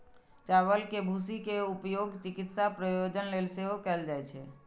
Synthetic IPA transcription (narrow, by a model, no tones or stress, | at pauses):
t͡ʃaʋəlkebʱusikeupjoɡt͡ʃɪkɪt̪sapɾəjod͡ʒənlelseɦokɛld͡ʒajt͡ʃʰe